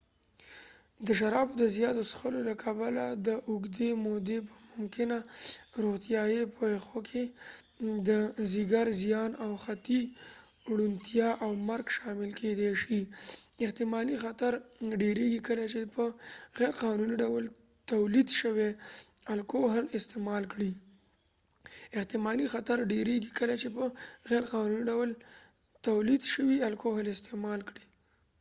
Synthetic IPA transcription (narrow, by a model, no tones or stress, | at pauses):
d̪əʃaɾɑbod̪əzjɑt̪osxəlolakʰabalad̪əʔʊɡd̪emod̪epəmʊmkɪnaɾoxt̪jɑjepʰoexokʰe | d̪əziɡaɾzijɑnawxat̪i | ɽunt̪ʰjɑʔawmaɾɡʃɑmɪlkʰed̪eʃiɪht̪ɪmɑlixat̪aɾɖeɾeɡikəlat͡ʃepəɣɛɾqɑnuniɖawl | t̪awlid̪ʃəwealkoɦɪlɪst̪emɑlkɽi | ɪht̪ɪmɑlixat̪aɾɖeɾeɡikəlat͡ʃepəɣɛɾqɑnuniɖawl | t̪awlid̪ʃəwialkoɦanɪst̪emɑlkɽi̥